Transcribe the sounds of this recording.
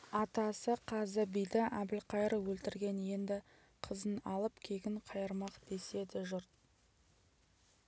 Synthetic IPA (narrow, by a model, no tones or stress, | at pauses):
ɑt̪ɑsəqʰɑzəbijd̪ɪʔæbɪlqɑjəɾəwɵlt̪ɪɾɡʲe̞nje̞nd̪ɪ | qʰəzənɑlˠəpkʲʰe̞ɡʲɪɴqʰɑjəɾmɑqd̪̥e̞se̞d̪ɪʒʊɾt̪̚